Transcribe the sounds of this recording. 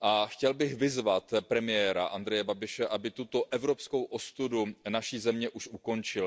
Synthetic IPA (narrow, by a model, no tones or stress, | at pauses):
ʔaxcɛlbɪxvɪzvat̪pɾɛmɪjɛːɾa̰ʔand̪ɾɛjɛbabɪʃɛʔabɪt̪ut̪o̞ʔɛvɾo̞pskowʔo̞st̪udunaʃiːzɛmɲɛʔuʃʔuko̞nt͡ʃɪl